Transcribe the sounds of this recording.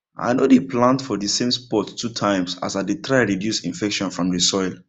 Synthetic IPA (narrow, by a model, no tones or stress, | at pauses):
ʔa̰ɪnodeplãntfɔdisẽmspɔtːʰutʰãɪ̃msa̰sadetʰɹaɹidjusĩnfɛkʃɔ̃nfɹɔ̃mdisɔɪlˠ